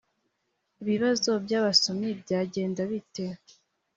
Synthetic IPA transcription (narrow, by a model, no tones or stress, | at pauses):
iβiβazo̞bjaːβaso̞mibɟaːɟe̞ːndaβite̞